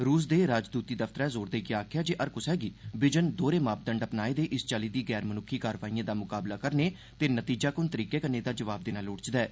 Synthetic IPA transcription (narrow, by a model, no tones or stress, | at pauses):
ɾuːs̬d̪eːɾaːd͡ʒd̪uːt̪iːd̪əfʰt̪əɾɛːzoːɾd̪eːɡɪjaaːkʰjaːd͡ʒeːʔəɾkʊsɛːɡiːbɪd͡ʒənd̪oːɾeːmaːp̚d̪əɳɖəpnaːeːd̪eːʔɪst͡ʃaːliːd̪iːɡɛːɾmənʊkʰːiːkaːɾʋaːiːãːd̪aːmʊkaːblaːkəɾneː | t̪eːnət̪iːd͡ʒaːkʊnt̪əɾiːkeːkəneːd̪aːd͡ʒəʋaːb̚d̪ɪnaːlʊːɽt͡ʃd̪ɛː